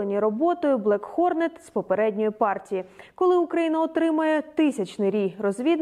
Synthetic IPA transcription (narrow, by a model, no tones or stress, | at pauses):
enʲiɾɔbɔt̪ɔjʊblˠɛkxɔrnɛt̪spɔpeɾɛdʲnʲɔjʊpɑrtʲijikɔlˠɪʊkɾɐjinɐɔt̪ɾɪmɐjɛt̪ɪsʲɐt͡ʃnɪjɾʲijrɔzʲʋʲid̪n